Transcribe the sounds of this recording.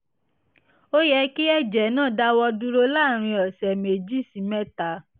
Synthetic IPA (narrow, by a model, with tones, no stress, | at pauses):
o˦jɛ˧ki˦ɛ˦d͡ʒɛ˨˦nãː˦˨da˦wɔ˧du˦ɾo˦la˦˨ɾ̃ĩ˧ɔ˨sɛ˨me˨d͡ʒi˦˨sĩ˨mɛ˦ta˧˦